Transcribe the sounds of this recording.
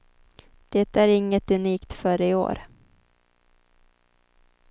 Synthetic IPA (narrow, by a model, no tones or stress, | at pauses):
d̪̥ɛt̪æɾɪŋːət̪ɵniːkt̪fœːɾəɪo̰ːɾ